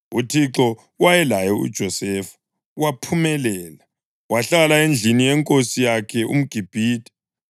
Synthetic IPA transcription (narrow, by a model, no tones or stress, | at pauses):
utʰiǁɔ | wajɛlajɔṵd̥ʒ̥ʱɔsɛːfḁ | wapʰumɛlɛːla | waɬalaend͡ɮʱinijɛŋkʼosijakʰɛʔṵm̩ɡ̥ʱib̥ʱiːd̥ʱʼɛ̥